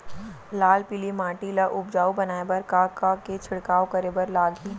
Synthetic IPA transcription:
laːlpilimãːʈilaʔʊb̚d͡ʒaːubɐnaːebɐɾkaːkaket͡ʃʰɪɽkaːokɐɾebɐɾlaːɡiː

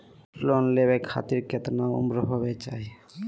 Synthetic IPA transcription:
plonlebekʰa̰t̪iɾket̪naṵmɾɔɦobet͡ʃaɦi

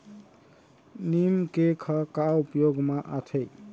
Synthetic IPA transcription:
nimkekʰʌkaupjoɡmaʔat̪ʰej

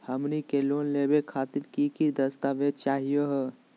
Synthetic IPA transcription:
həmnikeloːnlebekʰaːt̪ɪɾkikid̪əst̪aʋed̪̚t͡ʃaːɦijəɦ

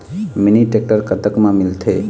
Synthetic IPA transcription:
miniʈek̚ʈəɾkət̪əkmãmilt̪ʰe

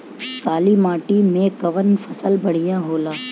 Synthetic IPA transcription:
kaːlimaːʈimẽkɐʋənfʰɐsəlbɐɽ̤ijãɦoːlaː

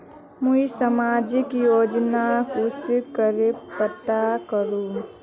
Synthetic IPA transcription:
muisəmaːd͡ʒɪkjoːd͡ʒnakʊskəɾepət̪akəɾũ

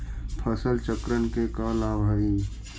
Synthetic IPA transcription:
pʰəsəlt͡ʃəkɾənkekalaːbʱɦəi

